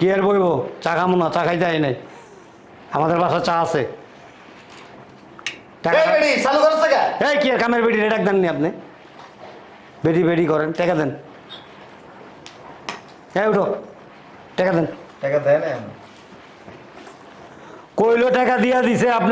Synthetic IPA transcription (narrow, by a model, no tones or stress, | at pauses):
kiaɾbojbot͡ɕakʰamonat͡ɕakʰajt̪eajnaj | amad̪eɾbaʃat͡ɕaasʰe | ʈɛkebeʈisalukaɾest̪akaejkiaɾkameɾbeʈiɾeɖak̚d̪ɛnːiapne | beʈibeʈikɔɾenʈɛkad̪ɛn | ewʈo | ʈɛkad̪enʈɛkad̪ɛjneapni | kojloʈɛkad̪ijad̪iseapn